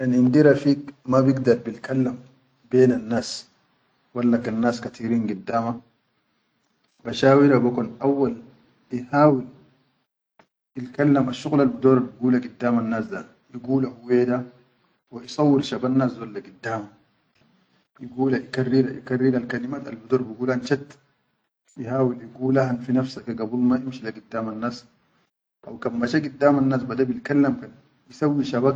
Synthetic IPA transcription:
janiʔind̪iɾafiːkmabiɡd̪ɑɾˤbilkalːam | beːnanːaːs | walːakanːaːskat̪iɾiːnɡud̪ːaːma | baʃaːwiɾabakunʔawːal | ihaːwil | ilkalːamaʃːuɣlalbud̪oːɾˤɑbiɡuːlaɡid̪ːaːmanːaːsd̪a | jiɡuːlahuweːd̪a | waʔisˤɑwːilʃabanːaːszolːaɡud̪ːaːma | jiɡuːlaʔikarːilaʔḭkarːilalkalimaːt̪a̰lbud̪oːɾˤbiɡuːlanʃat̪ | jihaːwiljiɡuːlahanfinafsakaɡabulmaʔimʃilaɡud̪ːaːmanːaːs | ʔawkamːaʃaɡid̪ːaːmanːaːsbad̪abilkalːamkan | jisawːiʃabak

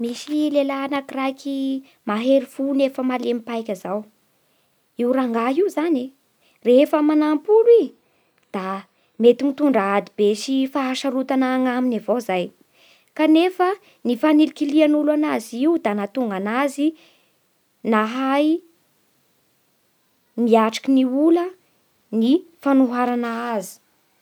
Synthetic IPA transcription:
misilelanakrajkʰi | maɦeɾifunefəmalemipajkʲəzaw | iwɾaŋɡaiuzane | refəmanampuli | d̪̥a | met̪imit̪uɳɖ͡ʐaad̪ibeʃifaːʃaɾut̪anaŋaminavozaj | kanefə | nifanilikilianulwanaziiud̪anat̪uŋɡanazi | naɦaj | miaʈ͡ʂḁkiniulə | nifanuɦaɾanaazi̥

